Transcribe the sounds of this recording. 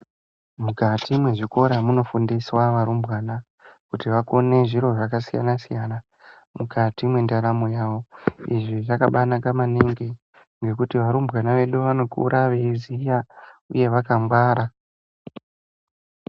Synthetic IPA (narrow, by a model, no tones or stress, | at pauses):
mukatimwe̞ʐiko̞ɾamuno̞fundiswaʋaɾumbɣaːna | kutiʋako̞ne̞ʐiɾo̞ʐakasija̰nasijana | mukʰatimwe̞ndaɾamojaːʋo̞iʐiʐakaɓanakamaneŋɡe | ŋɡe̞kutiʋaɾumbɣanaʋe̞ɗuʋano̞kṵɾʔaʋeizijaṵje̞ʋakamɡwaːɾa